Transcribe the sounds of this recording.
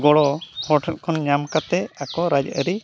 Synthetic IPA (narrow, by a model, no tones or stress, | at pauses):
ɡɔɽɔhɔʈʰɛt̚kʰɔnɲamkat̪ɛakɔɾad͡ʒʔəɾi